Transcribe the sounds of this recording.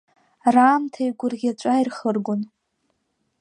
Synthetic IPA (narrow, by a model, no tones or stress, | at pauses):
raːmtʰajɡʷʊrɡʲat͡ʃʷʼairχərɡʷʊn